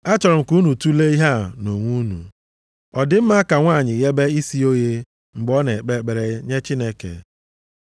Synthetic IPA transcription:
a˦t͡ʃɔ˨ɾʊ˨m̩˨ku˦nu˨tu˦le˦i˦ɦa˦no˨ŋʷu˦nṵ˨ | ɔ˨dɪ˦m̩˦ma˦ka˨ŋʷaː˦˨ɲɪ˨ɣe˦be˦i˦si˦o˦je˦ | ŋ͡m̩˨ɡ͡bɔ˦ne˨k͡pe˦k͡pe˨ɾe˨˦ɲe˦t͡ʃi˦ne˦kḛ˨

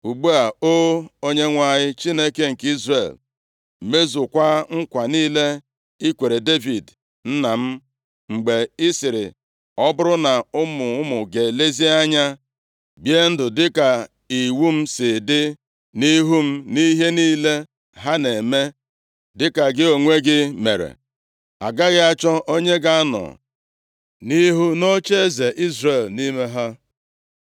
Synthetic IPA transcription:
u˨ɡ͡bu˦a˨o˦o˦ɲe˦ŋʷa˨ɲɪ˦t͡ʃi˦ne˦ke˦ŋ̩˨ki˦zrḛ˨l | me˦zʊ˨kʷa˦ŋ̩˦kʷa˨niː˦le˦ | i˦kʷe˨ɾe˨de˦vi˨d | n̩˦na˨m̩˦ | ŋ͡m̩˨ɡ͡be˨ɪ˦sɪ˨ɾɪ˨ | ɔ˦bʊ˦ɾʊ˦na˨ʊ˦mʊ˨ʊ˦mʊ˨ɡe˨le˦zi˦a˦ɲa˦ | bje˦n̩˦dʊ˨dɪ˦ka˨ | i˨wu˦m̩˦sɪ˨dɪ˦ | ni˦ɦu˦m̩˦ni˦ɦe˦niː˦le˦ | ɦa˦ne˨me˦ | dɪ˦ka˨ɡɪ˦o˨ŋʷe˦ɡɪ˦me˨ɾḛ˨ | a̰˨ɡa˦ɣɪ˦a˦t͡ʃɔ˦ʔo˦ɲe˦ɡa˦a˦nɔ̰˨ | ni˦ɦu˦no˦t͡ʃe˦e˦ze˨ʔi˦zre˦˨lni˦me˦ɦa˦

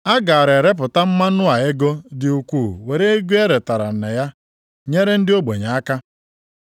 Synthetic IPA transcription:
a˦ɡa˨a˨ɾe˨ɾe˦p̬ʊ˨ta˦m̩˦ma˦nʊ˦a˨e˦ɡo˦dɪ˦u˨kʷuː˦˨we˨ɾe˦e˦ɡʷe˦e˦ɾe˨ta˨ɾa̰˨n̩˨ne˨ja˦ | ɲe˦ɾe˦n̩˦dɪ˦o˦ɡ͡bo˨ɲa˨a˦ka˦

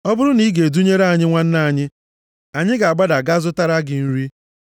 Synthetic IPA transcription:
ɔ˦bʊ˦ɾʊ˦ni˦ɡe˨du˦ɲe˦ɾa˦˨ɲɪ˦ŋʷa˦n̩˦na˦a˨ɲɪ˦ | a˨ɲɪ˦ɡa˨a˨ɡ͡ba˦da˨ɡa˦zʊ˦ta˦ɾa˦ɡɪ˨n̩˦ɾi˦

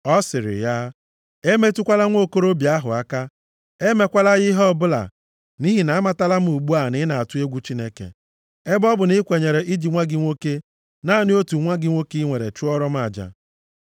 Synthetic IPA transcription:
ɔ˦sɪ˨ɾɪ̰˨ja˦ | e˦me˦tu˦kʷa˦la˦ŋʷo˦ko˦ɾo˦bja˦ɦʊ̰˨a˦ka˦ | e˦me˨˦kʷa˦la˦ɣɪ˦ɦɔ˦bʊ˦la̰˨ | ni˦ɦi˨na˨a˦ma˨ta˦la˦m̩˦u˨ɡ͡bu˦a˨nɪ˦na˨a˨tʊ˦e˦ɡʷu˦t͡ʃi˦ne˦kḛ˨ | e˦bɔ˦bʊ˨nɪ˦kʷe˨ɲe˨ɾe˨ʔi˦d͡ʒi˨ŋʷa˦ɡɪ˦ŋʷo˦ke˦ | na˦˨nɪ˦o˦tu˨ŋʷa˦ɡɪ˦ŋʷo˦ki˦ŋʷe˨ɾḛ˨t͡ʃu˦ɔ˦ɾɔ˦m̩˦a˨d͡ʒa̰˨

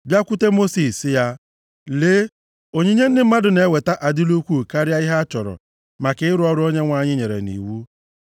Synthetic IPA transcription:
bja˦kʷʊ˦te˦mo˦si˨sja˦ | leː˦ | o˦ɲe˦ɲe˦n̩˦dɪ˦m̩˦a˦dʊ˨ne˨we˨ta˦ʔa˨di˦lu˦kʷu˦˨ka˦ɾja˦i˦ɦa˦a˦t͡ʃɔ˨ɾɔ̰˨ | ma˨kɪ˦ɪ˦ɾʊ˦ɔ˦ɾʊ˦o˦ɲe˦ŋʷa˦ɲɪ˦ɲe˨ɾḛ˨nḭ˨wu˦

